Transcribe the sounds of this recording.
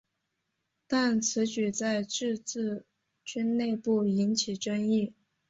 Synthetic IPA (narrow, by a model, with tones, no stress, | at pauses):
t̪a˥˩nt͡sʰɹ̩˧˥t͡ɕy˨˩t͡sa˥˧ɪʈ͡ʂɻ̩˥˧t͡sɹ̩˥˩ | t͡ɕy˥nne˥˧ɪpu˥˩i˧˥nt͡ɕʰi˨˩ʈ͡ʂə˥ŋi˥˩